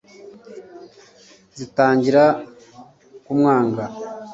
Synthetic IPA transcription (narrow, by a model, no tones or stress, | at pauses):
zitaːɲɟiɾa | kumŋaːŋɡa